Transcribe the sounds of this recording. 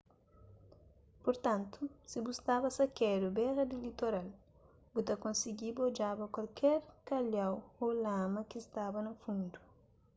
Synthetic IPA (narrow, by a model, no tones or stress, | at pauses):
poɾt̪ãnt̪usibust̪abɐsɐkɛɾubɛɾɐd̪ilit̪oɾal | but̪ɐkõnsiɡibod͡ʒabɐkwalkʰɛɾkaljawolamɐkist̪abɐnɐfũnd̪u